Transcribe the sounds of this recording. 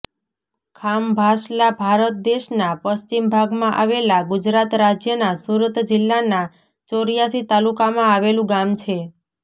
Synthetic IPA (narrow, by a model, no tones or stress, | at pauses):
kʰambʱaʃlabʱaɾət̪̚d̪eʃnapəst͡ʃimbʱaɡmãʔaʋelaɡʊd͡ʒɾat̪ɾad͡ʒjənasuɾət̪d͡ʒɪlːana | t͡ʃoɾijasit̪alukamãaʋelũɡamt͡ʃʰe